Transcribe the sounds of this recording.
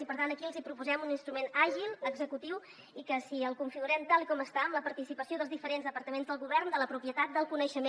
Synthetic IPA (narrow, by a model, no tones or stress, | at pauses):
ipəɾt̪ant̪əkiəlˠzipɾupuzɛmuninst̪ɾumenaʒilˠəɡzəkut̪iw | ikəsiəlˠkuɱfiɣuɾɛmt̪alˠikɔməst̪aəmləpəɾt̪isipəsioðəlzðifəɾenzðəpəɾt̪əmenzðəlˠɣuβɛrnd̪ələpɾupjət̪at̪̚d̪əlˠkunəʃəme